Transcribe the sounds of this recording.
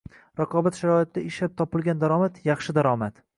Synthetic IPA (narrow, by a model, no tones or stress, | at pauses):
ɾɑqʰɒbat̪ʃaɾɒɪt̪ːaɪʃlap̚t̪ʰɒpɪlɡʲand̪aɾɒmat̪jɑχʃɪd̪aɾɒmat̪